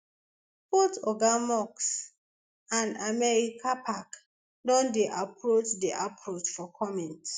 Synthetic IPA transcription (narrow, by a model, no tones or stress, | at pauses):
bɔtɔɡamɔks | ãndamɛɹikʰapʰak | dɔ̃ndeʔapʰɹot͡ʃdiʔapʰɹot͡ʃfɔkʰɔmɛ̃nt